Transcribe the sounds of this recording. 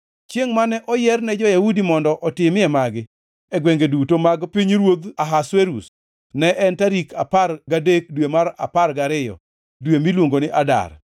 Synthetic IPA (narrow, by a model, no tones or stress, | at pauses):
t͡ʃjeŋmanɛʔɔjɛrnɛd͡ʒɔjahudimɔndɔʔɔtɪmɛmaɡɪ | ɛɡweŋɡedutomaɡpiɲɾwod̪aɦasweɾus | nɛʔɛntaɾikʰaparɡadek̚dwemaɾa̰parɡaɾɪjɔ̰ | dwemilwoŋɡonɪʔada̰r